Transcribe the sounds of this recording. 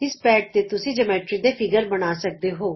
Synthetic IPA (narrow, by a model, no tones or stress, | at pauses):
ɪspɛːʈ̚t̪eːt̪ʊsĩːd͡ʒəmɛːʈɾiːd̪eːpʰɪɡəɾbənaːsək̚d̪eːɦoː